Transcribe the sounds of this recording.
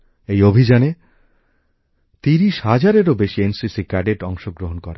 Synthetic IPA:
ejobʱid͡ʑane | t̪iɾiʃhad͡ʑaɾeɾobeʃiensisikɛɖeʈɔŋʃoɡɾoɦonkɔɾe

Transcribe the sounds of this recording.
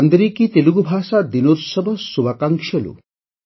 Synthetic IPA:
and̪ɾikit̪eluɡubʱasad̪inoɾsɔbʱɔsubakaŋkʃʰɔlṵ

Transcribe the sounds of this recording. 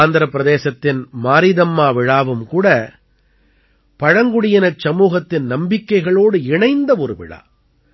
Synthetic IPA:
aːnd̪ɐɾɐpːɪɾɐðeːsɐt̪ːɪnmaːɾɪðɐmːaːʋɪɻaːʋɯmkuːɽɐ | pɐɻɐŋɡʊɽɪjɪnɐt͡ʃsɐmuːɣɐt̪ːɪnnɐmbɪkːɐɪɣɐɭoːɽɯɪɳɐɪnd̪ɐɔɾɯʋɪ̰ɻa̰ː

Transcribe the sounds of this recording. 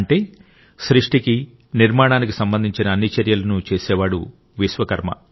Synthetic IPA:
ɳʈe̞ː | sɾiʂʈiki | niɾmaːɳaːnik̬isɐmbɐnd̪ʱiɲt͡ʃinɐːnːit͡ʃɐɾjɐlɐnut͡ʃeːsɛːʋaːɽṵ | ʋiʃʋɐkɐɾmɐ̰

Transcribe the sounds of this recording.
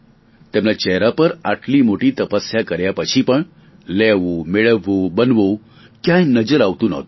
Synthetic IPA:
t̪emlat͡ɕɛɦɾapəɾaʈlimoʈiːt̪əpəsjakəɾjapət͡ɕʰiːpəɳ | lɛʋomeɭəʋːobənʋo | kjãjnəd͡zəɾaʋt̪una̰ɦt̪o

